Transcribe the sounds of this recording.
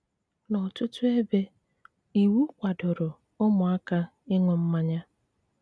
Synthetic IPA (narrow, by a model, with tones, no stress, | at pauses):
nɔ˨tʊ˦tʊ˦e˦be˦ | i˨wu˦kʷa˨dʊ˨ɾʊ˨ | ʊ˦mʊ˨a˦ka˦ | ɪ˦ŋʷʊ˨m̩˦ma˦ɲa˦